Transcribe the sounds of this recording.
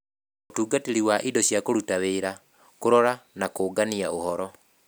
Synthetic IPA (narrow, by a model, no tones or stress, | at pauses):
otuːɡateɾiwaʔidɔɕjakoɾutaweːɾa | koɾɔɾanakoːɡaniaohɔɾɔ